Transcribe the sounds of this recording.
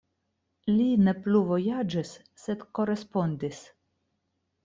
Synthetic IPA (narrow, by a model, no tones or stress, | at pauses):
line̞pluvo̞jad͡ʒisː | e̞dko̞ɾe̞spo̞ndis